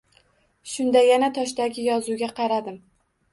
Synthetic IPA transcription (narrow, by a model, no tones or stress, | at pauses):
ʃʊnd̪ajanat̪ʰɒʃd̪aɡʲɪjɒzuɡʲaqʰɑɾad̪ɪm